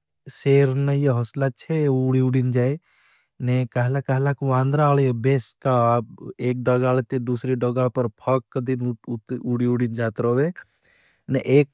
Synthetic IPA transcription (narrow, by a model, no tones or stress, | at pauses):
seːɾnejeɦɔslat͡ʃʰeuɽiuɽind͡ʒaːe | nekaɦlakaɦlakʋãːnd̪ɾaːljobeːskaeːk̚ɖɐɡaːlet̪id̪uːsɾiɖɐɡapɐɾpʰɐkːd̪inuɽiuɽind͡ʒaːt̪ɾoʋe | neʔeːk̚